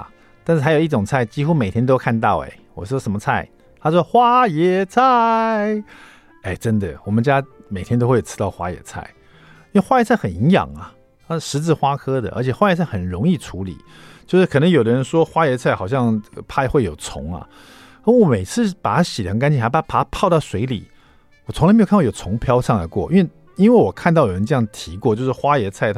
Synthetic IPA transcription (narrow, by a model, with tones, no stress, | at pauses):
t̪a˥˧nʂɻ̩ʰ˥˩a˧ɪji˥˩ʈ͡ʂʊ˨˩ŋt͡sʰa˥˩ɪt͡ɕi˥xu˥˦me˨˩ɪt̪ʰjɛ˥nt̪o˥ʊkʰa˥˧nt̪ɑ˥˩ʊḛ˨˩wɔ˨˩ʂwɔ˥ʂə˧˥mə˧t͡sʰa˥˩ɪ | t̪ʰa˥ɔ˥xwa˦˥jɛ˧˥t͡sʰa˥˩ɪɪ | e˥˩ɪʈ͡ʂə˦˥nd̪ə˨wɔ˨˩mə˦nt͡ɕja˥me˨˩ɪt̪ʰjɛ˥nt̪o˥ʊwe˥˩jo̥˨˩˥t̪ɑ˥˩ʊxwa̰˥jɛ̰˨˩˦t͡sʰa̰˥˩ɪ | i˥nwe˥˧xwa˥jɛ˧˥t͡sʰa˥˩ɪxə˨˩ni˧˥ŋjɑ̰˨˩ŋɐ˩ | t̪ʰa˥˩ʂɻ̩˧˥t͡sɹ̩˥˧xwa˥kʰɤ˥d̪ə̰˨ʔə̰˧˥t͡ɕʰjɛ˨˩xwa˥jt͡sʰa˥˩ɪxə˨˩nɻʊ˧˥ŋi˥˩ʈ͡ʂʰu˧˥lḭ˨˩˦ | t͡ɕjo˥˧ʊʂɻ̩˥˩kʰɤ˨˩nə˧˥ŋjo˨˩ʊd̪ə˦ɻə˧˥nʂwɔ˥xwa˥jɛ˧˥t͡sʰa˥˩ɪxɑ˨˩ʊɕ̬jɑ˥˧ŋpʰa˥˩ɪxwe˥˩jo˨˩ʊt͡sʰʊ̰˧˥ŋɐ̰˨ | ə˧˥˩wɔ˧˥me˨˩ɪt͡sʰɹ̩˥˧pa˨˩t̪ʰa˥˩ɕi˨˩lʰə˧˥ŋka˥nt͡ɕʰi˧˩xpa˨˩a˥pa˨˩t̪ʰa˥pʰɑ˥˧ʊt̪ɑ˥˩ʊswe˧˥ɪlḭ˨˩˦ | wɔ˨˩t͡sʰʊ˧˥la˧˥˨jo˨˩t͡sʰʊ˧˥ŋpʰjɑ˥ʊʂɑ˥˩ŋla̰˧˦ɪkwɔ̰˥˩ʔnwe˥˩ | i˥nwe˥˩ɪwɔ˨˩kʰa˥˧nt̪ɑ˥˩ʊjo˨˩ə˧˦nʈ͡ʂɤ˧jɑ˥˩ŋt̪ʰi˧˥kwɔ˥˧t͡ɕjo˥˧ʊʂɻ̩˥˩xwa˥jɛ˧˥t͡sʰa˥˩ɪt̪ʰ